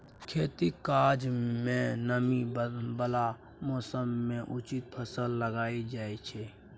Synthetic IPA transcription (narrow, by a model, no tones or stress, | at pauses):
kʰeːt̪ikaɾd͡ʒmẽnəmibəla | mɔːsəmːẽʔut͡ʃit̪̚pʰəsəlːəɡaːid͡ʒaːɛt͡ʃʰɛ